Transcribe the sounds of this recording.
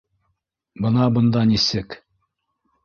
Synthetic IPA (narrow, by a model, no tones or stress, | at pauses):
bɤ̆nɑbɤ̆nd̪ɑnisɘk